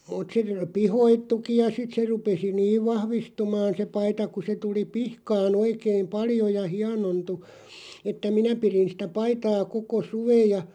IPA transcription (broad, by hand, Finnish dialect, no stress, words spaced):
mut se pihoitːuki jɑ sit se rupesi niːʋ ʋɑhʋistumɑːn se pɑitɑ ku se tuli pihkɑːn oikeim̆ pɑljo jɑ hiɑnontu etːæ minæ pirin sĭtæ pɑitɑː koko suʋej̆ jɑ